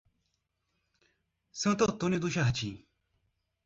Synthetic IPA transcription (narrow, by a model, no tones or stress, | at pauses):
sə̃ːt̪ot̪onẽd̪uɕaɦɐt͡ɕʰḭː